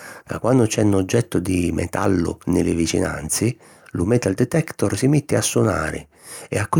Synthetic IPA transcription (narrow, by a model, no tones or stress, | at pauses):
kakːwanːʊt͡ʃɛnːod͡ʒːɛt̪ːʊd̪imɛ̰t̪ʰa̰lːʊ̰nɪlɪvit͡ʃḭna̰nt̪sɪ | lumɛt̪ːald̪ɛt̪ɛkt̪ɔrsimit̪ːɪasːuna̰ːɾɪ̰ | ɛ̰akːʊ